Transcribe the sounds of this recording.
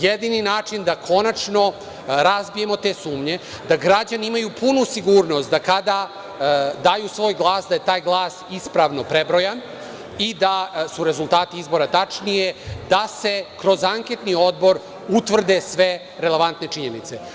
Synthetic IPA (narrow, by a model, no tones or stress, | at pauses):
jed̪ininaːt͡ʂind̪akʰo̞nat͡ʂno̞ | ɾazbije̞mo̞t̪e̞ːsuːmɲe̞ | d̪aɡɾad͡ʑaniimajupʰunusiɡuːɾno̞st̪d̪akad̪a | d̪aːjusʋo̞ːjɡlˠaːsd̪aje̞t̪aːjɡlˠaːsispɾaʋno̞pɾebɾojan | id̪asuɾe̞zulˠt̪aːt̪iizbo̞ɾat̪at͡ʂnijed̪ase̞kɾo̞zaŋket̪nio̞d̪bo̞ɾ | ut̪ʋr̩d̪esʋe̞ | ɾele̞ʋant̪ne̞t͡ʂiɲe̞nit̪se̞